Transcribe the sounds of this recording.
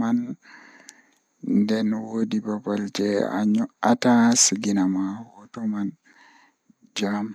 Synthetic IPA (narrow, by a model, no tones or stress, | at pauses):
an | ndɛnwodibabald͡ʒɛa̰ɲɔʔatasiɡinamawɔtɔman | d͡ʒam